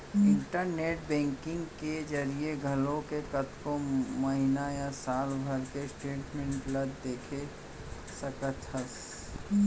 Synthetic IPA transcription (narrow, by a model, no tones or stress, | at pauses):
ɪ̃ɳʈəɾneːʈ̚bɛ̃ːŋkɪ̃ŋɡked͡ʒɐɾieɡʱɐlõkekɐt̪komɐɦɪnajasaːlbʱəɾkesʈeːʈmẽɳʈlɐd̪d̪eːkʰe | sɐkət̪əs